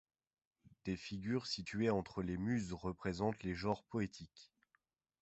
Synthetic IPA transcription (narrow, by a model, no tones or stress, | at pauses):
d̪̥efiɡʲyʁsit̪ɥeɑ̃t̪χəlemyzʁəpχezɑ̃t̪leʒɑ̃ʁpɔet̪ʰikʲ